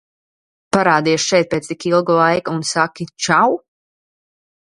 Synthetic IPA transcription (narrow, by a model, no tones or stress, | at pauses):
paɾaːd̪iɛʃʃɛjt̪̚pʲeːt̪st̪ikilˠɡulˠajkuunsakʲit͡ʃaw